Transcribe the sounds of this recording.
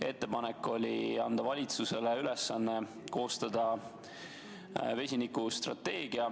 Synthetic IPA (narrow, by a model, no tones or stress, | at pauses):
e̞t̪ːe̞pɑnekːˑo̞lʲiɑnd̪̥ɑvɑlʲit̪suse̞leyle̞sːɑnːe̞ | ko̞ːst̪ɑd̪ɑ | ve̞sʲinikust̪rɑ̰t̪ːe̞ːɡ̥iɑ